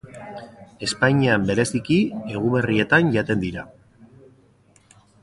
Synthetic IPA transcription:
e̞spaɲiambe̞ɾe̞sikie̞ɣ̞uβe̞rie̞t̪anʝat̪e̞nd̪iɾa

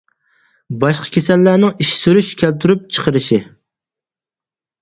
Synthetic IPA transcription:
bɑʃqʰə̥kʲesɛlːænɪŋiʃsyɾyʃkʲʰælt̪ʰyɾyp̚t͡ʃʰə̥qʰəɾɨʃɪ

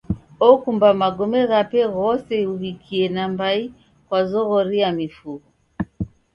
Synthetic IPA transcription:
ɔkumbamaɡɔmɛɣapɛɣɔsɛuhikʰiɛnambai | kwazɔɣɔɾiamifuɣɔ

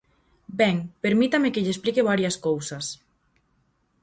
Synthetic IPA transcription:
bɛŋpeɾmit̪amekeʎesplikeβ̞aɾjaskowsas

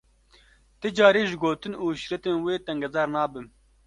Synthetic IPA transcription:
t̪ɨd͡ʒɑːɾeːʒɪɡoːt̪ɨnuːʃɾɛt̪eːnweːt̪ɛŋɡɐzɑːɾnɑːbɨm

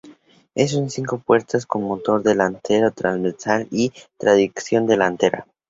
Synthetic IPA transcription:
es̬unsiŋko̞pwe̞ɾt̪asko̞nmot̪o̞ɾðe̞lant̪e̞ɾot̪ɾanzβeɾsalit̪ɾaðiksjo̞nd̪e̞lant̪e̞ɾa̰

